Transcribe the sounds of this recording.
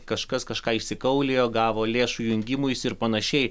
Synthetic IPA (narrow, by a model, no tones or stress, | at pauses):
kɐʃkɐskɐʃkɑːɪʃʲsʲɪkɐʊlʲeːjoːɡɑːʋoːlʲeːʃujʊŋʲɡʲɪmʊjsɪɾpɐnɐʃʲɛɪ